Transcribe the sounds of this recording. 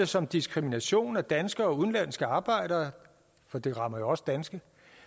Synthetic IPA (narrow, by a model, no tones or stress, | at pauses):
əsɒ̽md̥isɡ̥ʁiminæɕo̝̰ːnæd̥ænsɡ̥əɒ̽uðˠnlæn̰sɡ̥əɑ̈ːb̥ɑ̈ɪ̰ɾ̥ɐː | fɒ̽d̥e̝ʁɑ̈mɐjo̝ɒ̽səd̥ænsɡ̥ə